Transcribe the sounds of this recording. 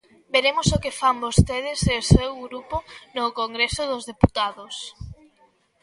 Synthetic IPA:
beɾemosokefambost̪eðɪsesewɣɾupʊnokoŋɡɾesʊðʊzðeput̪aðʊs

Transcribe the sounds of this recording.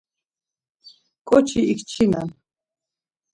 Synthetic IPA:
kʼɔt͡ʃʰiːkt͡ʃʰina̰n

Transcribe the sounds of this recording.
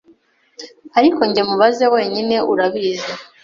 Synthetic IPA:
aɾikoɲɟe̞muβazewe̞ːɲine̞ʔuɾaβize

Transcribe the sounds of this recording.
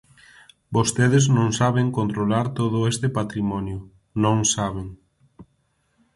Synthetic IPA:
bost̪eðeznõŋsaβeŋkont̪ɾolaɾt̪oð̞ʊest̪epat̪ɾimɔnjʊ | nõŋsaβ̞eŋ

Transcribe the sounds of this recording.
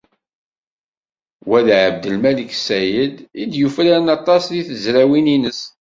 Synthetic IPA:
wæðʕəb̚d̪əlmæliksæjəd̪id̪jufɾænɑt̪ˤɑsðiθəzɾæwininəs

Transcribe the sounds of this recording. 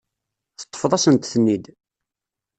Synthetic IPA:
θə̥t̪ˤːfəðˤæsənt̪θənːid̪

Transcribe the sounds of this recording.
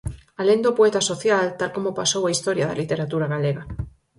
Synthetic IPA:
alend̪opoet̪asoθjalt̪alkomopasowaist̪oɾjaða̰lit̪eɾat̪uɾaɣaleɣa

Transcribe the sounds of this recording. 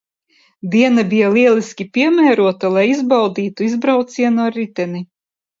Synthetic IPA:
d̪iɛnabjalˠiɛlˠisʲkʲipʲiɛmæːɾuɔt̪alˠajizbawd̪iːt̪uizbɾawt̪siɛnuɔɾit̪ʲɛni

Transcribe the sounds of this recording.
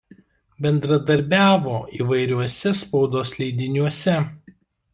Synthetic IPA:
bʲɛnd̪ɾɐd̪ɐɾʲbʲæːʋoːʔiːʋɐɪɾʲuɔsʲɛspɔʊd̪oːslʲɛɪd̪ʲɪnʲuɔsʲɛ

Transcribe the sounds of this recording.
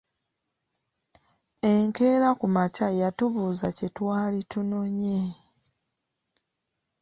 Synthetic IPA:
e̞ŋke̞ːɾakumacajatuβuːzacetwaːlituno̞ɲe

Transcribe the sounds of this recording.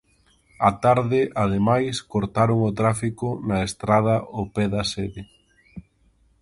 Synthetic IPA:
ɐt̪aɾðɪʔaðemajskoɾt̪aɾoŋot̪ɾafikʊnɐest̪ɾað̞ɐopɛðɐsɛðɪ

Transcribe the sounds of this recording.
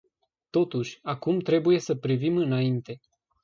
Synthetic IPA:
t̪o̞t̪uʃʲakumt̪ɾe̞buje̞səpɾivimɨnaint̪e̞

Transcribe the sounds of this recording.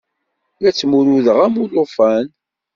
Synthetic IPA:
ɾæt͡sːmuɾuðəʁæmulofæn

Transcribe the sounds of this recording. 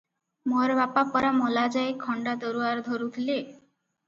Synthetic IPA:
moɾbapapɔɾamɔlad͡ʒajkʰɔɳɖad̪ɔɾuaɾd̪ʱoɾut̪ʰile

